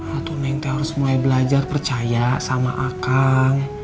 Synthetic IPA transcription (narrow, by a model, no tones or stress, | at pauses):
at̪unaŋt̪aɦaɾʊsmuajbəlad͡ʒarpərt͡ʃajasama̰ʔakkaŋ